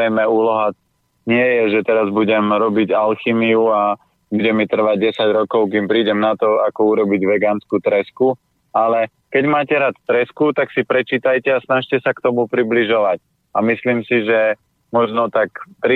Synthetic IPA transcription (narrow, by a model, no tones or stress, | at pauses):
ɛmɛuːlɔɦa | ɲɪɛjɛʒɛt̪ɛɾazbuɟɛmɾɔbiɟalximiua | buɟɛmit̪r̩ʋaɟ̚ɟɛsaɟɾɔkɔʊkimpɾiːɟɛmnat̪ɔakɔuɾɔbiɟʋɛɡaːnskuːt̪ɾɛsku | alɛ | kɛɟmaːcɛɾat̪t̪ɾɛskut̪aksipɾɛt͡ʃiːt̪ajcɛasnaʃcɛsakt̪ɔmupɾibliʒɔʋac̚ | amisliːmsiʒɛ | mɔʒnɔt̪akt̪ɾ